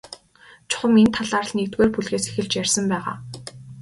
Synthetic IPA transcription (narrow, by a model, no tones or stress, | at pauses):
t͡ɕʰʊ̥χə̆ment̪ʰaɮaːrə̆ɮnekt̪ɣeːrpuɮxeːse̥xɘ̆ɮt͡ɕjærʲsə̆mpæːʁa̰ː